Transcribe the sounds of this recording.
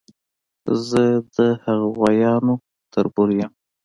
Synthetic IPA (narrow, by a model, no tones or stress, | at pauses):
zəd̪əhaɣawajɑno | t̪əɾbuɾjəm